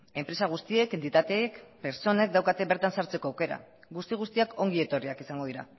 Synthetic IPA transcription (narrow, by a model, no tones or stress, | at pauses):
e̞mpɾe̞saɣ̞ust̪ie̞ke̞nt̪it̪at̪eːkpe̞ɾt͡so̞ne̞k̚d̪awkat̪e̞βe̞ɾt̪ansaɾt͡se̞ko̞awke̞ɾa̰ | ɡust̪iɣ̞ust̪iakʰo̞ŋɡie̞t̪o̞riakisaŋɡoðiɾa̰